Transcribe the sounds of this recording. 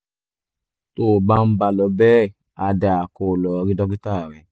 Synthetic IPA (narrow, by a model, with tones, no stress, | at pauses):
to˦˨ɡ͡ba˦n̩˦ba˧lɔ˨˦bɛː˦˨ | a˨da˨a˨ko˨lɔ˨˧ɾi˦dɔ˦ɡi˦ta˦˨ɾɛ˨